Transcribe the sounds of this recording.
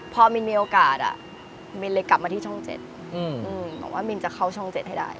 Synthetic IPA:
pʰɔː˧mi˧nmiː˧ʔoː˧kaː˨˩t̪̚a̰˨˩ | mi˧nle˧jka˨˩p̚ma˧iː˥˩ɔ˥˩ŋt͡ɕḛ˨˩t̪̚ | ɯː˧ʔɯː˧a̰˨˩˦waː˥˩mi˧nt͡ɕa˨˩kʰa˥˩wt͡ɕʰɔ˥˩ŋt͡ɕe˨˩t̪̚a˥˩jda̰˥˩j

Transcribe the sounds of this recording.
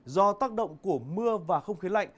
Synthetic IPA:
zɔ˧t̪aː˦˥k̚ɗə̰˧˨wŋ͡mku˧˩əmɨ˧əvaː˨˩xə˧wŋ͡mxi˨˦la̰˧˨jŋ̟

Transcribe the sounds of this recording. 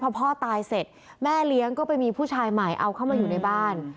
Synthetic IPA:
pʰɔ˧pʰɔː˥˩t̪aː˧jse˨˩t̪̚ | mɛː˥˩li˦˥əŋkɔː˥˩pa˧jmiː˧pʰuː˥˩t͡ɕʰaː˧jma˨˩jʔa˧wkʰa˥˩wmaː˧juː˨˩na˧jbaː˥˩n

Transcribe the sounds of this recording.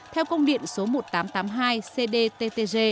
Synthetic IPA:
t̪ʰɛ˧wkə˧wŋ͡mɗḭ˧˨ənso˨˦mo˨˩t̚t̪aː˨˦mt̪aː˨˦mɦaː˧jse˧ɗe˧t̪e˧t̪e˧ze˧

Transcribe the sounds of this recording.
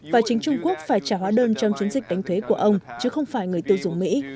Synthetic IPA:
vaː˨˩t͡ɕï˨˦ŋ̟t͡ɕʊ˧ŋ͡mku˦˥ək̚faː˧˩jt͡ɕaː˧˩ɦwaː˨˦ɗəː˧nt͡ɕɔ˧wŋ͡mt͡ɕi˨˦nzï˨˩k̟̚ɗa˨˦jŋ̟t̪ʰwe˨˦ku˧˩əʔə˧wŋ͡mt͡ɕɨ˨˦xə˧wŋ͡mfaː˧˩jŋɨ˨˩əjt̪i˧wzʊ̰˨˧˩ŋ͡mmḭ˧˥

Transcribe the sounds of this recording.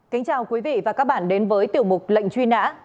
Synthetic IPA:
ka˨˦ŋ̟t͡ɕaː˨˩wkwi˨˦vḭ˧˨vaː˨˩kaː˦˥k̚ɓa̰ː˧˩˨nɗe˨˦nvəː˨˦jt̪i˨˩əwmʊ˨˩k͡p̚lə̰˧˨jŋ̟t͡ɕwi˧na̰ː˧˥

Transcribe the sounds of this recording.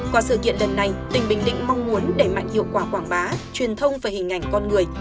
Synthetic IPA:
kwaː˧˩sɨ̰˧˩kḭ˧˨ənlə˨˩nːa˨˩jt̪ï˨˩ŋ̟ɓï˨˩ŋ̟ɗḭ̈˧˨ŋ̟ma˧wŋ͡mmu˨˦ənɗe˧˩ma̰˧˨jŋhḭ˧˨əwkwaː˧˩kwaː˧˩ŋɓaː˨˦t͡ɕwi˨˩ənt̪ʰə˧wŋ͡mvaː˧˩jhï˨˩ŋ̟ʔa˨˩jŋ̟kɔ˧nŋɨ˨˩əj

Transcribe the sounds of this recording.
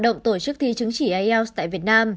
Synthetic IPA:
ɗə̰˧˨wŋ͡mt̪o˧˩t͡ɕɨ˦˥k̚t̪ʰi˧t͡ɕɨ˨˦ŋt͡ɕi˧˩ʔa˧ɛ˧wst̪a̰ː˧˨jvi˨˩ət̚naː˧m

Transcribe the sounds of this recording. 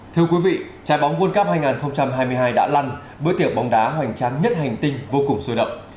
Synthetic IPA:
t̪ʰɨ˧əkwi˨˦vḭ˧˨ | t͡ɕaː˨˦jɓɔ˨˦wŋ͡mku˧nkaː˦˥p̚haː˧jŋaː˨˩nxə˧wŋ͡mt͡ɕa˧mɦaː˧jmɨ˧əjɦaː˧jɗa̰ː˧˥la˧n | ɓɨ̰˧˥ət̪i˧˩ək͡p̚ɓɔ˨˦wŋ͡mɗaː˨˦ɦwa̰˧˩jŋ̟t͡ɕaː˨˧˦ŋɲə˦˥t̚ha˨˩jŋ̟t̪ï˧ŋ̟vo˧kʊ˨˩ŋ͡mso˧ɗə̰˧˨wŋ͡m

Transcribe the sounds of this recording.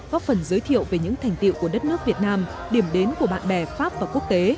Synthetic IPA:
kɔ˦fə˨˩nzəː˨˦jt̪ʰḭ˧˨əwve˨˩ɲɨ̰˧˥ŋt̪ʰa˨˩jŋ̟t̪ḭ˧˨wku˧˩əɗə˦˥t̚nɨ˦˥ək̚vi˨˩ət̚naː˧m | ɗi˧˩əmɗe˨˦nku˧˩əɓa̰ː˧˨nɓɛ˧˩faː˦˥p̚vaː˨˩ku˦˥ək̚t̪e˨˦

